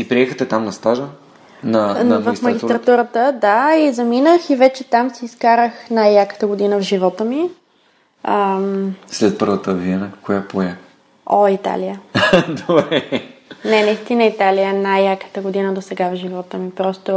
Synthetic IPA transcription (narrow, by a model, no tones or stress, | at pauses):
ipɾiɛxət̪ɛt̪amnɐst̪aʒə | nɐnvəfmɐɡʲist̪ɾɐt̪uɾət̪əd̪aizɐminəxivɛt͡ʃɛt̪amsiːskaɾəxnajːakə̥t̪əɡod̪inəvʒivɔt̪əmi | əmslɛt̪̚pəɾvət̪əviɛnəkojapoɛ | oit̪a̰liəd̪obɾɛnɛnɐist̪inəit̪alijənajːakə̥t̪əɡod̪inəd̪osɛɡavʒivɔt̪əmipɾɔst̪o